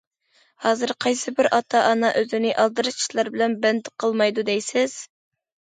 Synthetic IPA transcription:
hɑːzɨɾqʰɑjsɨbɪɾʔɑt̪ʰɑʔɑnɑʔøzɪnɪʔɑlˠd̪ɨɾɨt͡ʃʰi̥ʃlˠɑɾbɪlɛnbɛnd̪ɪqʰəlˠmɑjd̪ud̪ɛjsɪz̥

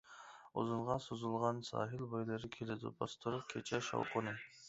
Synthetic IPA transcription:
o̰zɨɴʁɑsozulˠʁɑnsɑ̰ːɦɪlˠbojlˠɨɾɪkʲʰelɪd̪ɪ̰bɑst̪ʰʊɾʊp̚kʲʰet͡ʃʰɛʃɑ̰wqʊnɨ

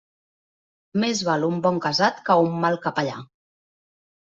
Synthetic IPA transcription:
mezβalumbɔŋkazat̪kəumːalˠkapaʎa̰

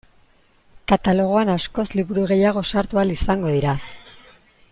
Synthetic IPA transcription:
kat̪alo̞ɣ̞o̞anasko̞sliβuɾuɣ̞e̞jaɣ̞o̞saɾt̪ualisaŋɡo̞ðiɾa

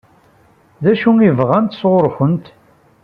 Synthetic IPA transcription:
ðæʃuŋivʁænt̪sʁʊɾˤxənt̪

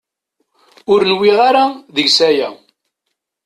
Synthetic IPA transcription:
ʊɾnwɪʁaɾaðəʝsæjæ

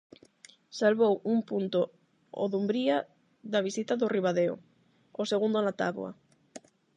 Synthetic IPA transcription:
salβowumpunt̪o | o̰ðumbɾia | ðɐβisit̪aðʊriβaðeo̰ | oseɣund̪onat̪a̰βw̰ɐ̰

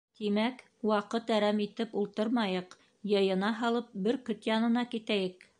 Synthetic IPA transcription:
t̪imæk | wɑqɤt̪æɾæmit̪ɘpulˠt̪ɤɾmɑjɤq | jɤ̆jɤ̆nɑɦɑlˠɤp̚bɘɾkɵt̪jɑnɤ̆nɑkit̪æjɘk

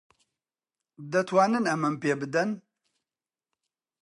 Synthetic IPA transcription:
d̪ɐt̪ʰwaːnɨnɐmɐmpeːbɨd̪ɐn

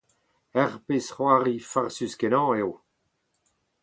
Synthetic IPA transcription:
ɛʁpesχwaʁifaʁsyskenɑ̃ːew

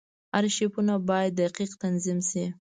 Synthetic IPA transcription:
haɾʃipunabɑjad̪ːaqiqt̪anzimʃi

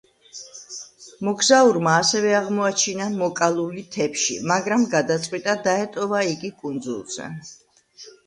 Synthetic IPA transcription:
mɔɡzauɾmaːsɛvɛaʁmɔat͡ʃʰinamɔkʼalˠulit̪ʰɛpʃḭmaɡɾamɡad̪at̪sʼqʼwit̪ʼad̪aɛt̪ʼɔvaiɡikʼund̪zṵlˠz̥ɛ̰

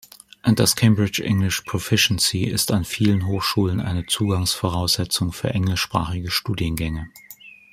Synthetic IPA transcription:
ʔʊntd̥askʰɛɪmbʁɪt͡ʃʔɪ̰ŋlɪʃpʰʁ̥ofɪʃənsiɪ̰stanfiːlənɦoːxʃuːlənʔa̰ɪnət͡suːɡaŋsfoʁ̞aʊsz̥ɛt͡sʊŋfyːɐʔɛŋlɪʃpʁ̥a̰ːχɪɡəʃtuːdjənɡɛŋə

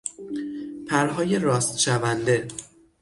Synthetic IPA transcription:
pʰæɾɦɒːje̞ɾɒːst̪ʃævænd̪e̞

